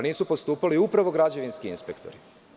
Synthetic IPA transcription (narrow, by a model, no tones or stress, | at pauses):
niːsupost̪uːpaliupɾaʋo̞ɡɾad͡ʑe̞ʋinskiinspe̞kt̪o̞̰ɾi